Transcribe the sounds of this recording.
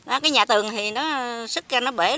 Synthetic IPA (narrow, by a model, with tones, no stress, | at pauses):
nɔ˨˦kaː˨˦jɲaː˨˩t̪ɨ˨˩əŋt̪ʰi˨˩nɔ˨˦sɨ˦˥k̚ka˧nɔ˨˦ɓe˧˩